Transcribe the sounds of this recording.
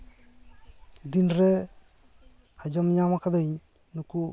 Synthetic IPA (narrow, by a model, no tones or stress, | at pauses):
d̪inɾɛ | ad͡ʒɔmɲamakad̪aɲ | nuku